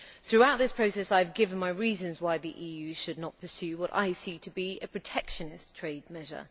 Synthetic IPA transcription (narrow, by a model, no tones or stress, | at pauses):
θɹʉaʊʔ̪̚ðɪspʰɹ̥əʊsɛsaɪvɡɪvə̃nmaɪɹiːzə̃nzwaɪðiʔiːjʉːʃədⁿnət̚pʰəsjʉːwɒɾa̰ɪsitʰəbiəpʰɹ̥ətʰɛkʃənɪstʰɹ̥eɪd̚mɛʒə̰